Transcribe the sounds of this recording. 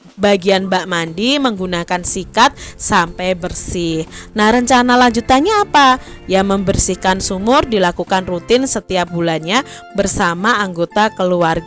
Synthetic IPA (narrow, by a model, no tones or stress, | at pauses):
baɡianbaʔmandiməŋɡunakansikat̪̚sampajbərsɪhnahɾəɲt͡ʃanalaɲd͡ʒut̪aɲaːpa | jaŋməmbərsihkansumʊrdilakukanrut̪ɪnsət̪iap̚bulanɲa | bərsamaːŋɡot̪akəluarɡ